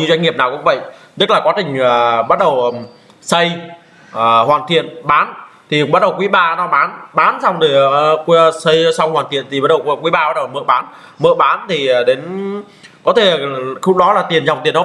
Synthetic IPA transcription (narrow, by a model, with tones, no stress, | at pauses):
ɲɨ˧zwa˧ŋ̟ŋi˨˩əp̚naː˨˩wkʊ̰˧˥ŋ͡mvə̰˧˨jʔt̪ə˦˥laː˨˩kwaː˨˦t͡ɕï˨˩ŋ̟əː˨˩ɓa˦˥t̚ɗə˨˩w | sə˧j | əː˨˩hwaː˨˩nt̪ʰḭ˧˨ənɓaː˨˦nt̪ʰi˨˩˨ɓa˦˥t̚ɗə˨˩wkwi˨˦ɓaː˧nɔ˨˦ɓaː˨˦nɓaː˨˦nsa˧wŋ͡mt̪i˨˩ksə˧jsa˧wŋ͡mhwaː˨˩nt̪ʰḭ˧˨ənt̪i˨˩ɓa˦˥t̚ɗə˨˩wkkwi˨˦jɓaː˧a˦˥t̚ɗə˨˩mɨ̰˧˨ɓaː˨˦n | mə̰˧˨ɓaː˨˦nt̪ʰi˨˩˨ɗe˨˦n | kɔ˨˦t̪ʰe˧˩˨xu˧˥ɗɔ˨˦laː˨˩t̪i˨˩ənza˨˩wt̪i˨˩ənːɔ˨˦